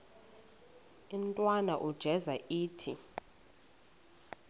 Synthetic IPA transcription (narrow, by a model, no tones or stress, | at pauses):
um̩tʼwanaʔud̥ʒ̥ʱɛzaʔiːtʰi